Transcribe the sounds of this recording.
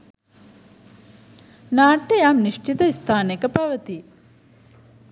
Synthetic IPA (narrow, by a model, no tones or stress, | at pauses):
naːʈːejamniʃt͡ʃit̪əist̪ʰaːnekəpaʋət̪i